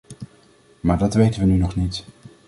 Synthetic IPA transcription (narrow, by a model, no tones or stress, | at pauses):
maːɹdɑtʋejtənʋənynɔχnit